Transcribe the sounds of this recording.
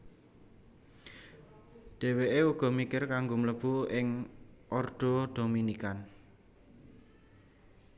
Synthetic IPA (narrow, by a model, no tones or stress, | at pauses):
d̪̥e̤weʔeuɡ̥ɔ̤mikɪrkaŋɡomələb̥uɪŋʔɔrd̪̥o̤d̥o̤minikan